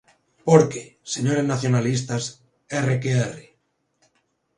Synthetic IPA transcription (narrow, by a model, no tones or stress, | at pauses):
poɾkese̞ɲoɾe̞znaθjo̞nalis̬t̪as | erekeere